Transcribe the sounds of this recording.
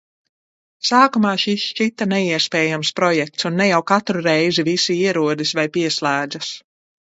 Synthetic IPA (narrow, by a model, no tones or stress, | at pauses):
saːkumaːʃist͡ʃit̪anɛiɛspɛːjamspɾɔjɛk̚t̪sunːɛjawkat̪ɾuɾɛjzivisiiɛɾuɔd̪isvajpiɛslˠæːd̪zas